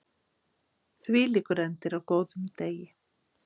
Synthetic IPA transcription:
θvɪːlikʏɾɛnt̪ɪɾawkoːwðʏmt̪eːjɪ

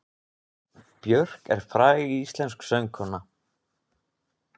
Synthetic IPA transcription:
pjœr̥kɛ̰ɾ̥fɾaːjɪɣiist̪lɛnsksœŋkʰɔnːa

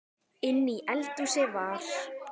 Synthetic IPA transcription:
ɪnːiʔɛlt̪usɪvaɾ̥

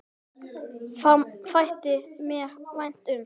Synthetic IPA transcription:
famfajht̪ɪmɛvajn̥t̪ʏm

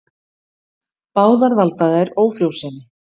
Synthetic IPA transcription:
paːwðaɾvalt̪aðajɾoːwfɾjowsɛnːɪ

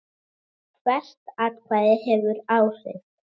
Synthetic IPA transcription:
kʰvɛst̪aðkʰvaːðɪhɛvʏɾaːwrḛt̪

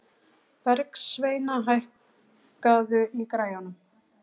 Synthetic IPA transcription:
pɛɾksveːjnaɦajh | kaðʏʔikɾaːjanʏm

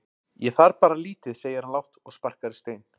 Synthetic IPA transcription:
jɛθaɾpaːɾaliːt̪ɪðseːjɪɾhanlawht̪ɔɣspar̥kaɾɪst̪eːjn

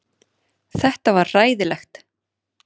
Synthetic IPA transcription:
θɛht̪avaɾraːjðɪlɛxt̪

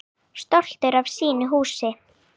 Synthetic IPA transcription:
st̪ɔl̥t̪ʏɾav̥siːnɪɦuːsɪ

